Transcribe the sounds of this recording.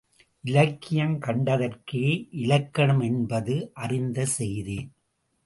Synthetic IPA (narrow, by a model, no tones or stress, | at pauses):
ʔɪlɐkːɪjɐŋkɐɳɖɐðɐrkɯʔɪlɐkːɐɳɯmɛnbɐðɯʔɐrɪnd̪ɐsɛjði